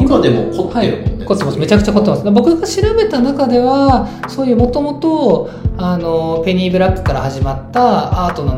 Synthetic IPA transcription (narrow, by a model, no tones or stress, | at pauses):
kad̪emo̰kʰot̪haeo̰kot̪ːe̞masme̞t͡ɕakɯ̟t͡ɕako̞t̪ːemasɨd̪abo̞kɯ̟ɡaɕiɾabe̞t̪anakad̪e̞βasoːjɯ̟ːmo̞t̪o̞mo̞t̪o̞ | ano̞pe̞ɲ̟ʲibɯɾakːɯ̟̥kaɾahaʑimat̪ːaaːt̪o̞no